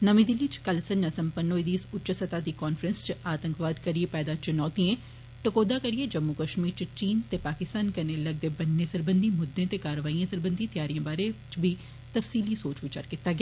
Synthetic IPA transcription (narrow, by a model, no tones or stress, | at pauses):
nəmĩd̪ɪlːiːt͡ʃkəlsənnasə̃mpənːoːid̪iːsʊt͡ʃəsət̪aːd̪iːkɔːnfɾə̃nst͡ʃaːt̪ə̃ŋkʋaːd̪kəɾiepɛːd̪at͡ʃʊnɔːt̪iẽː | ʈəkoːd̪aːkəɾieːd͡ʒəmːukəʃmiːɾt͡ʃt͡ʃiːnt̪eːpaːkɪst̪aːnkəneːləɡ̚d̪eːbənːeːsəɾbənd̪ʱimʊd̪ʱːẽːt̪eːkaːɾəʋaːiːãːsəɾbənd̪it̪ɪjaːɾijãːbaːɾet͡ʃbʱiː | t̪əfsiːlisoːt͡ʃʋɪt͡ʃə̰ɾkɪt̪ːaːɡɪaː